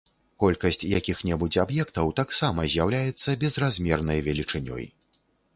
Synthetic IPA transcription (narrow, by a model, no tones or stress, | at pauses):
kɔlʲkɐsʲt͡sʲjakʲixnʲɛbut͡sʲabjɛkt̪ɐwt̪aksamɐzʲjawlʲajɛt̪sːɐbʲɛzrazʲmʲɛrnɐjvʲɛlʲit͡ʂɨnʲɔ̰j